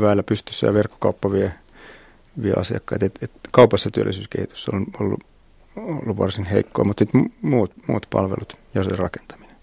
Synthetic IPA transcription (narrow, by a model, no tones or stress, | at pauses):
ʋæːlːæpyst̪ysːæ̰jɑʋerkːo̥kɑupːɑʋie | ʋiḛʔɑ̰siɑ̰kːɑit̪et̪et̪kɑupɑsːɑt̪yø̰lːisyːskḛhit̪y̥sːo̰nolːṵ | o̰lːuʋʋɑrsinhḛikːo̰imut̪sit̪mmuːt̪mṵːt̪pɑ̰lʋḛlut̪jɑserɑke̥nt̪ɑ̥mine̥